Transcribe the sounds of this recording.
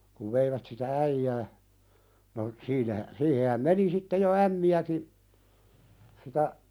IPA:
kuʋ ʋeiʋæt sitæ æijæː no siːnæhæ siːhehæm meni sitːe jo æmːiæki sitæ

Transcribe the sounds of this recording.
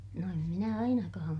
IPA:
no em minæ ɑinɑkɑːm

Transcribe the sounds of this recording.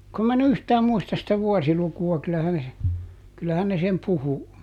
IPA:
kum mæ en yhtæːm muistɑs sitæ ʋuɔsilukuɑ kylæhæn se kylːæhæn ne sem puhu

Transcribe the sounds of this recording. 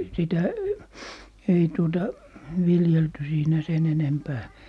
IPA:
sitæ ei tuotɑ ʋiljelty siːnæ sen enempæː

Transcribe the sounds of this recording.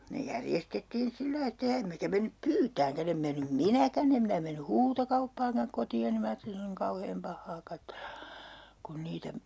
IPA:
ne jærjestetːiːn silːɑi etːæ jɑ emːekæ menːyp pyːtæːŋkæn em menːym minækæn em minæ menːy huːtokɑupːɑːŋkɑŋ kotioni minæ ɑːtːelin se on niŋ kɑuheːm pɑhːɑː kɑtːelɑ̥ kun niːtæ

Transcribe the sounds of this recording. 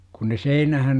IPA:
kun ne seinæhæn

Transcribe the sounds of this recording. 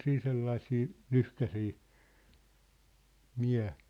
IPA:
siːn selːɑĭsiː lyhkæsiː miæ

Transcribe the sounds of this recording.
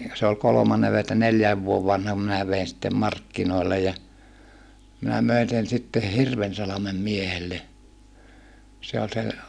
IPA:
se ol kolomɑnːe ʋe etːæ neljæːʋ ʋuoʋ ʋɑnhɑm minæ ʋein sitːem mɑrkːinoˑi̯lːej jɑ minæ møin sen sitːe hirʋensɑlɑmem miehelːe se ol sen̞

